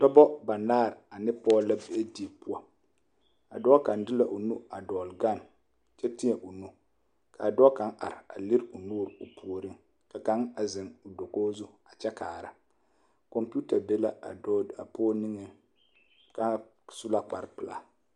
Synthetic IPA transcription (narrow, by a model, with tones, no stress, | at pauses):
tɔ˦bɔ˦ba˨naː˦˨ɾa˨nɪ˦pɔː˦la˦be˨e˦di˨˦e˨pu˦a˨ | a̰˨dɔ˦ka˨n˦dɪ˦la˨ʔo˨nu˦a˨dɔː˨lɡa˦˨n | t͡ʃɛ˦ti˦ɛ˨ʔo˨nu˦ | kʰa˨dɔ˦ka˨˦ŋʔa̰˨ɾɪ˨a̰˨li˦ɾu˨nuː˦˨ɾʊ˨pʰu˨ɾɪ˦ŋ | ka˨ka˦ŋa˨zɪ˨ŋʊ˨do˨koː˦zu˦a˨t͡ʃɛ˦kaː˨ɾa˦ | kɔ˨mpu˦ta˨be˦la˦a̰˨˦a̰˨pɔː˦nɪ˦ŋɨ˦ | ka˦ | su˦la˦k͡pa̰˨ɾpɨ˨la̰˨